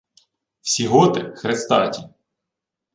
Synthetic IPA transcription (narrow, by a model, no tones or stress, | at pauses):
wsʲiɦɔt̪ɪxɾest̪ɑtʲi